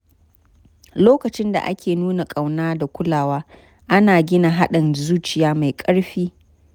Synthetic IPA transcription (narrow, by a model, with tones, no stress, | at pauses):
loː˦kɐ˨t͡ʃɪ˦nda̰˨ʔa̰˦kʲʰeː˨nuː˦na˨kʼa˨wnaː˦da˨kʷʊ˦laː˨waː˦ | ʔa˦naː˨ɡʲɪ˦na˨ɦa˦ɗɪ˨nzuː˦t͡ʃɪ˨jaː˦ma˨jkʼɐ˦ɽɸiː˦